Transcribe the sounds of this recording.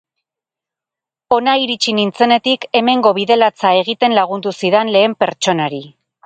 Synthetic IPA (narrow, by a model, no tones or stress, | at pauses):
o̞naiɾit͡ʃinint͡se̞ne̞t̪ike̞me̞ŋɡo̞βiðe̞lat͡sae̞ɣ̞it̪e̞nlaɣ̞und̪usiðenle̞ːmpe̞ɾt͡ʃo̞naɾi